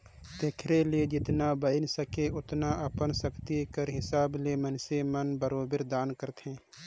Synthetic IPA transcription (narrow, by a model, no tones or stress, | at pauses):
t̪eːkʰɾelied͡ʒɪt̪nabəɪnsɐkeʊt̪naʔɐpənsɐkʰt̪ikəɾɦɪsaːblemənsemɐnbɐɾoːbɪɾd̪aːnkəɾt̪ɦɛ̃ː